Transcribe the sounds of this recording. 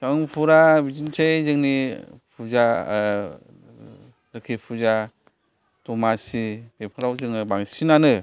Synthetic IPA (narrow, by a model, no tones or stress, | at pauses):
kaŋpʰuɾabizint͡ʃʰejzɯŋnipʰuza | ɾɯkʰipʰuza | tɔmasibepʰɯɾawzɯŋɯbaŋsinanɯ